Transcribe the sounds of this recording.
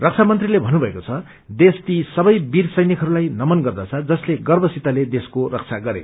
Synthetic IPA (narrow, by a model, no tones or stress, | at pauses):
rʌk̚t͡sʰamʌnt̪rilebʱʌnːubʱʌekot͡sʰʌ | d̪est̪isʌbʌjbirsʌjnikʰɦʌɾulajnʌmʌnɡʌrd̪ʌt͡sʰʌd͡zʌsleɡʌrbʌsit̪aled̪eskorʌk̚t͡sʰaɡʌɾḛ